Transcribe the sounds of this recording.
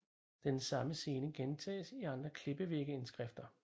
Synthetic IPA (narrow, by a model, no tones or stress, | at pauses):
d̥ensɑ̈məse̝ːnəɡ̥ent͡sʰɛ̰ːsiɑ̈nd̥ʁɐkʰle̝b̥əʋe̝ɡ̥əe̝nsɡ̥ʁɛfd̥ɐ